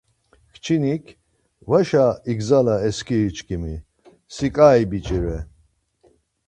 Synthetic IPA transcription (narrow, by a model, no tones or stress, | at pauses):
kʰt͡ʃʰinikʰ | vaʃaiɡzalaɛskʰiɾit͡ʃʰʼkʰimi | sikʼaibit͡ʃʼiɾɛ